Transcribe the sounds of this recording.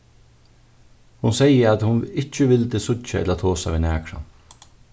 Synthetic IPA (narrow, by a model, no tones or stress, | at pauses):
hʊnsɛɪəɾat̪hʊnɪt͡ʃəʋɪld̪əsʊt͡ʃaɛ̰tlat̪ʰoːsaʋiːnæːkʰɾa̰n